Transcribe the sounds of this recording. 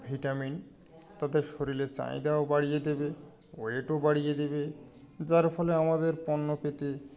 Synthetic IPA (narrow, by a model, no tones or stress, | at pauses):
bʱiʈamin | t̪ad̪eɾʃoɾilet͡ɕa̰jd̪aobaɽijed̪ebe | eeʈobaɽijed̪ebe | d͡ʑaɾfʰɔleamad̪eɾpɔnːopet̪e